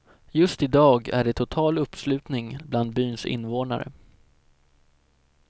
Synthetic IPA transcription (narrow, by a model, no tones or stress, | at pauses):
jɵst̪ɪd̪ɑːɡæ̰ɖɛt̪ʰʊt̪ʰɑːlɵpːslʉ̟ːt̪nɪŋbland̪̚byːnsɪ̰nːvoːna̰ɾə̰